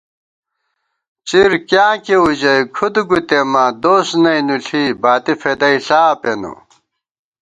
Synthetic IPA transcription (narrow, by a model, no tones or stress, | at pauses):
t͡ɕiɾkjãːkeud͡ʑɐjkʰud̪uɡut̪emad̪oːsnɐjnuɬʰibaːt̪ifed̪ɐiɬaːpenṵ